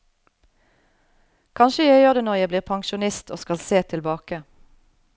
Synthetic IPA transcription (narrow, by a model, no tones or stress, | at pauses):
kʰɑnʃəjæɪjøːʁd̪eːnɔʁjæɪbliːʁpʰɑŋʃʊnɪst̪ʰo̰ːskɑlseːt̪ʰɪlbɑːkə